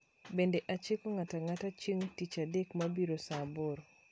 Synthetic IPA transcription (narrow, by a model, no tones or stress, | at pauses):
bendeʔat͡ʃekoŋataŋatat͡ʃiŋtit͡ʃadekmabiɾosaboɾ